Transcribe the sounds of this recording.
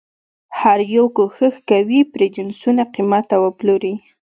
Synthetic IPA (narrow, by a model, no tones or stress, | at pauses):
haɾjowkoxəxkawipɾed͡ʒɪnsunaqimat̪ːawəploɾi